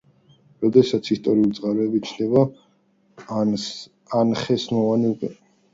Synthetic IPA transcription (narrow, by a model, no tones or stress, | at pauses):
ɾɔd̪ɛsat̪sʰist̪ʼɔɾiulid̪zʼʁaɾɛːbit͡ʃʰnd̪ɛba | anχɛsmɔvaniukʼwɛ